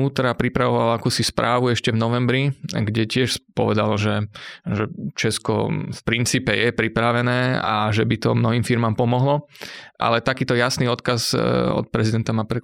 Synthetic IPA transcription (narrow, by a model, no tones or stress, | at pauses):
uːt̪ɾapɾipɾaʋɔʋalakuːsispɾʔaːʋuɛʃcɛvnɔʋɛmbɾiɡɟɛcɪɛʃpɔ̰ʋɛd̪alɔʒɛʒɛt͡ʃɛskɔ̰fpɾint͡siːpɛjɛpɾipɾaʋɛnɛːa̰ʒɛbit̪ɔmnɔɦiːmfiɾmaːmpɔmɔɦlɔʔa̰lɛt̪akiːt̪ɔjasniːɔt̪kazɔ̰t̪̚pɾɛzid̪ɛnt̪amapɾɛ